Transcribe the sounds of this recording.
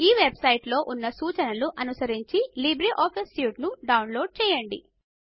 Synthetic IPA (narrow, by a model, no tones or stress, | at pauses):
iːʋebsɐjʈlo̞ːʔunːɐsuːt͡ʃɐnɐluʔɐnusɐɾiɲt͡ʃilibɾiʔɔːpʰisuːʈnuɖɐwnlo̞ːɖ̚t͡ʃɛːjɐɳɖḭ